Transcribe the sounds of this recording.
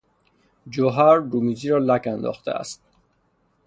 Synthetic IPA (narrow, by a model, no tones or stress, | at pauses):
d͡ʒoɦæɾːumiziːɾɒːlækænd̪ɒ̰ːχxt̪ʰḛæ̰st̪̚